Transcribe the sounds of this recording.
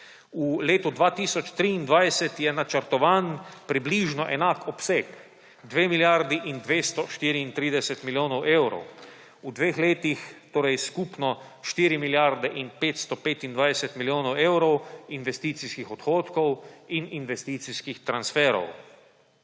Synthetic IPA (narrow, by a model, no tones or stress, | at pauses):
uleːt̪ud̪ʋaːt̪iːsɔt͡ʃt̪ɾiːnd̪ʋajsɛt̪jɛnat͡ʃəɾt̪ɔʋaːnpɾibliːʒnɔʔɛnakɔpsek | d̪ʋeːmiljaɾd̪iʔind̪ʋeːst̪ɔʃt̪iːɾiːnt̪ɾiːd̪ɛsɛt̪miljoːnɔwʔewɾɔ̰w | ud̪ʋeːxleːt̪ixt̪oːɾajskupnɔ | ʃt̪iːɾimiljaɾd̪ɛʔinpeːt̪st̪ɔpeːt̪ind̪ʋajsɛt̪miljoːnɔwewɾɔwinʋɛst̪iːt̪siskixɔt̪xoːt̪kɔwininʋɛst̪iːt̪siskixt̪ɾansfɛːɾɔ̰w